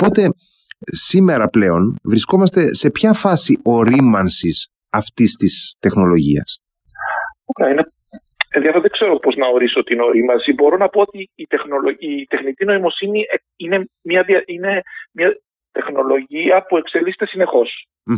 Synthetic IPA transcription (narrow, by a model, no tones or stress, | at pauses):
po̞t̪e̞ | sime̞ɾɐple̞o̞nvɾisko̞mɐst̪e̞se̞pçɐfɐsiʔo̞ɾimɐnsis | ɐft̪ist̪ist̪e̞xno̞lo̞ʝḭɐ̰s | okeɐine | enðiɐfeɾðeɡ̥kse̞ɾopo̞znɐo̞ɾisot̪ino̞ɾimɐnsibo̞ɾo̞nɐpoot̪iːt̪e̞xno̞loit̪e̞xnit̪ino̞imo̞sinie | ine̞mɲɐðiɐine̞mɲɐ | t̪e̞xno̞lo̞ʝiɐpue̞kselise̥t̪esine̞xo̞s̩